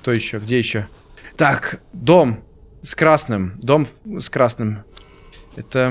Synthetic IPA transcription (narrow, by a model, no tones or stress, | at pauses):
kt̪ojɪɕːoɡdʲejɪɕːo | t̪akd̪om | skɾasnɨmd̪omskɾasnɨm | ɛt̪ə